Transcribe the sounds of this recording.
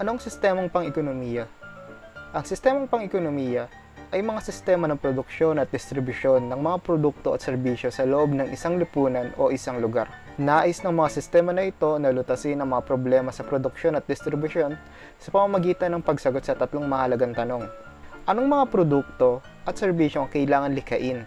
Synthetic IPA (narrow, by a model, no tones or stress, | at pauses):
ʔɐnoɐŋsɪst̪ɛmɐŋpɐŋɛkonomiːjɐ | ʔɐŋsɪst̪ɛːmɐŋpɐŋɛkonomijɐ | ʔɐjmɐŋasɪst̪ɛmɐnɐŋpɾod̪ʊk̚ʃo̞nɐt̪̚d̪ɪst̪ɾɪbuʃo̞nːɐŋmɐŋapɾod̪uk̚t̪o̞ʔɐ̰t̪sɛɾbiːʃjo̞sɐloʔo̞bnɐŋʔɪsaŋlɪpuːnɐnʔo̞ʔɪsaŋlʊɡa̰ɾ | naːʔɪsnɐŋmɐŋasɪst̪ɛmɐnɐʔɪt̪o̞nɐlʊt̪ɐsɪnːɐŋmɐŋapɾoblɛːmɐsɐpɾod̪ʊk̚ʃo̞nɐt̪̚d̪ɪst̪ɾɪbʊʃo̞n | sɐpɐmɐmɐɡiːt̪ɐnːɐŋpɐɡsɐɡot̪̚sɐt̪ɐt̪loŋmɐhɐlɐɡaŋt̪ɐno̞ŋ | ʔɐno̞ŋmɐŋapɾod̪uk̚t̪o̞ | ʔɐt̪̚sɛɾbiːʃo̞ŋɐkɐʔɪlaːŋɐnlɪkɐʔɪn